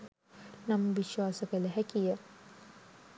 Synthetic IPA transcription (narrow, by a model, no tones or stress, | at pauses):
namʋiʃʋaːsəkələɦækijə